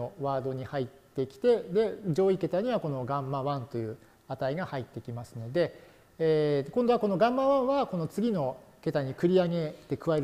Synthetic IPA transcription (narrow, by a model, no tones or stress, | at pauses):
oβaːd̪o̞ɲ̟ihait̪ːe̞kʲi̥t̪e̞d̪e̞d͡ʑo̞ːike̞t̪aɲ̟iβako̞no̞ɡãmːaβãnt̪o̞jɯ̟ː | at̪aiɡahait̪ːe̞kʲimasɨno̞d̪e̞ | eːkõ̞nd̪oβako̞no̞ɡãmːaβãɰ̃βako̞no̞t͡sɨɡʲino̞ke̞t̪aɲ̟ikɯ̟ɾʲiaɡe̞t̪ːe̞kɯ̟βaeɾ